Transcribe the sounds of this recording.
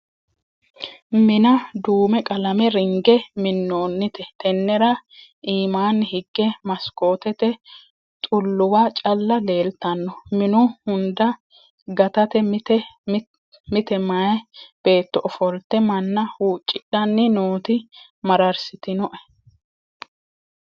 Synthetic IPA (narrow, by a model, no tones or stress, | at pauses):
mɪnɐd̪uːmɛkʼɐlɐmɛɾɪŋɡɛmɪnːoːnːɪt̪ɛt̪ɛnːɛɾɐʔiːmaːnːɪhɪɡːɛmɐsko̞ːt̪ɛt̪ɛ | t̪ʼʊlːʊwaːt͡ʃʼɐlːɐle̞ːlt̪ɐnːɔmɪnʊhʊnd̪ɐ | ɡɐt̪ɐt̪ɛmt̪ɛ | mɪt̪ɛmajb̥e̞ːt̪ːɔʔɔfɔlt̪ɛmɐnːɐhuːt͡ʃʼːɪᶑːɐnːɪnoːt̪ɪ | mɐɾɐɾsɪt̪ɪnɔʔɐ̥